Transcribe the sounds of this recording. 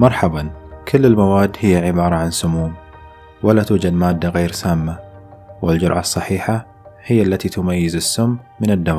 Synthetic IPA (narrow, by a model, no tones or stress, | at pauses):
mɑɾˤħɑbɑnkʰʊlːɪlmawaːd̪ːhɪjːaʕɪbɑːɾˤɑʕansʊmuːm | walat̪uːd͡ʒad̪maːd̪ːaɣeːɾsaːmːa | wɪld͡ʒʊɾʕɑ̰sˤːɑħiːħa | hɪjːalːat̪it̪ʊmajːɪzɪsːʊmːɪnɪd̪ːaw